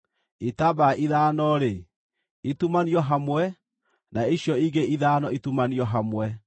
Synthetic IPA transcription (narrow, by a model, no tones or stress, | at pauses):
etabaʔiðaːnɔɾe | etumaniɔɦamwɛ | naeɕjɔiɡeiðaːnɔitumaniɔɦamwɛ